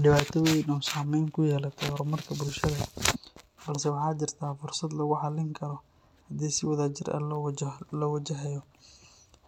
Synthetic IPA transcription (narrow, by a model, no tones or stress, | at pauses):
ɖɪβaːt̪ʰɔwɛnɔːsaːmɛjŋkʰʊjɛːlɐt̪ʰɛɾmɐrkʰɐbʊlʃɐðɐ | bɐlsɛwɑħɑːt͡ʃɪrt̪ʰaːfʊrsɐd̪lɐɣʊħɑlɪŋkʰɐɾɔ | hɐd̪iːsɪwɐðaːt͡ʃɪrɛ̰lɔwlɔwɐt͡ʃɐɦɛjɔ